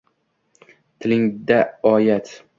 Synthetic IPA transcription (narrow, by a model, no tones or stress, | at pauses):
t̪ʰɪlɪŋd̪aɒjat̪